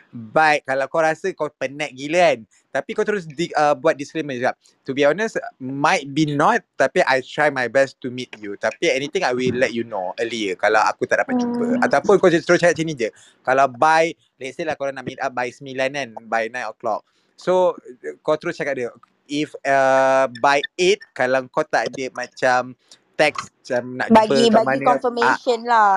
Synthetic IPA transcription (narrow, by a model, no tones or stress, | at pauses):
bajt̚kalawkawɾasəkawpənɛ̃k̚ɡilian | t̪apikawt̪əɾʊs̬diəbuat̪̚disklemə̃nsəɡap̚ | t̪ubiɔnəsmajt̪̚binɔt̪̚t̪ːapiʔajt̪ɾajmajbɛst̪umit̪̚jut̪apiɛnĩt̪ɪ̃ŋajwilːɛt̚junoəliəkalawa̰kut̪aʔ̚dapat̪̚t͡ʃubəat̪awpʊnkat̪əɾʊst͡ʃakat̚t͡ʃənĩd͡ʒə | kalawbaj | lɛt̪̚səlahkalanaʔmit̪ap̚bajsəmilananbajnãjnɔklɔk̚ | sokɔt̪əɾʊt͡ʃakat̪̚də | ifəbajet̪̚kalaŋkɔt̪aʔdəmãt͡ʃamt̪ɛkst͡ʃamna̰ʔbaɡbəikbaɡmainkɔfəmeʃɔnla